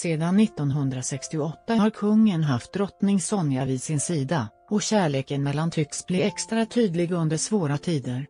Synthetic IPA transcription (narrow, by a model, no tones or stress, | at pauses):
seːd̪anːɪt̪ːɔnɦɵnd̪ɾasɛkst̪ɪʊɔt̪ːahaɾkʰɵŋːənɦaft̪̚d̪ɾɔt̪nɪŋsɔnjavɪd̪sɪnsiːd̪a | ɔɕæːɭeːkənmɛlːant̪ʰʏksblɪɛkst̪ɾat̪ʰyːd̪lɪɡɵnd̪əʂvoːɾat̪ʰiːd̪əɾ